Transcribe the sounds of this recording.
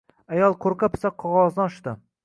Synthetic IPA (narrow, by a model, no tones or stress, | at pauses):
ajɒlˠqʰoɾqʰapʰɪ̥saqʰɒʁɒznɪɒʃt̪ɪ